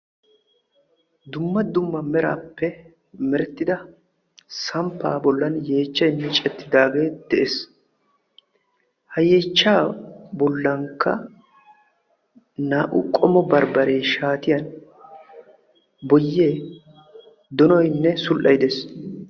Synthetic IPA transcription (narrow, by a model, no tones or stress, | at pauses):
d̪ʊmːɐd̪ʊmːɐmɛɾa̰ːpːɛ | mɛɾɛt̪ːɪd̪ɐ | sɐmpːa̰ːbɔlːɐnje̞ːt͡ʃːɐjnːɛt͡ʃʼɛt̪ːɪd̪aːɡe̞ːd̪̥ɛʔeːs | hɐjeːt͡ʃːaːbɔlːɐŋkːɐ̰ | naːʔʊ̰kʼɔmɔbɐɾbɐɾe̞ːʃaːt̪ɪjɐn | bɔjːe | d̪ɔnɔjnːɛsʊlʔɐjɪd̪es